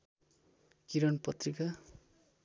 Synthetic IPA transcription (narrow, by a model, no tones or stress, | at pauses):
kiɾʌnpʌt̪rika